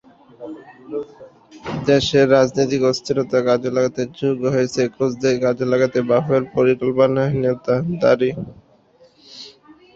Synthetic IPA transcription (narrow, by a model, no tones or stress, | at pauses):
d̪eʃeɾːad͡ʑnit̪ikost̪ʰiɾot̪aɡad͡ʑelaɡat̪ed͡ʑuɡoɦojet͡ɕʰekosd̪eɡad͡ʑelaɡat̪ebabeɾpoɾikolponaɦined̪ad̪a̰ɾi